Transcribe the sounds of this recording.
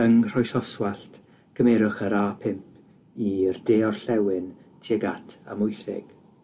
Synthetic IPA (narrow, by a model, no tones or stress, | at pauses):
əŋr̥ɔjsɔswaɬt | ɡ̥ʰəmɛɾʊχəɾaːpʰɪmpʰ | irdeːɔrɬɛwɪn | tʰiəɡatʰa̰mʊjθɪ̰ɡ̥